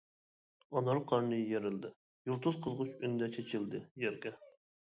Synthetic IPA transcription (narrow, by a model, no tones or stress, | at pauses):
ɑnɑɾqʰɑɾnɨjeɾɪld̪ɪ | julˠt̪ʰuzqʰəzʁʊt͡ʃynɪd̪ɛt͡ʃʰet͡ʃʰild̪ɨjɛɾkʲɛ